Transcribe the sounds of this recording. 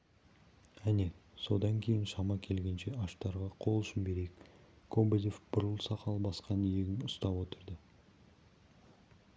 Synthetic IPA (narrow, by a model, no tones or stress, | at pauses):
æne̞so̞d̪ɑŋkʲʰe̞jɪnʃɑmɑkʲʰe̞lɡʲe̞nʃe̞ɑʃt̪ɑɾʁɑqʰo̞lˠʏʃɪnbe̞ɾejk | kʰobod̪ʲefbʊɾəlˠsɑqɑlˠbɑsqɑnijeɡʲɪnʊst̪ɑpwo̞t̪əɾd̪ə